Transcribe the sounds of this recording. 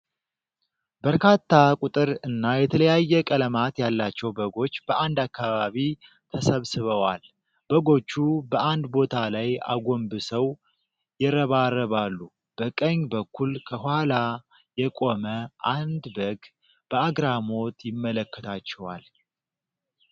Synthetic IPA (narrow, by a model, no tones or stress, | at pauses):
bəɾkat̪ʰːakʼut̪ʼɨɾɨnːajɛt̪ʰələjajːɛkʼələmat̪jalːat͡ʃːɛwbəɡo̞t͡ʃːb̥əʔand̪akːaβaβi | t̪ʰəsəβsɨβəwal | b̥əɡo̞t͡ʃːubəʔand̪bo̞t̪ʰalaja̰ɡo̞mbɨsəw | jɛɾəβarːəβalːu | b̥əkʼəɲbəkʰːulkʰəhʊhala | jɛkʼo̞məʔand̪bəɡ | b̥əaɡɾamo̞t̪ʰjɪmːələkːət̪ʰat͡ʃːɛwal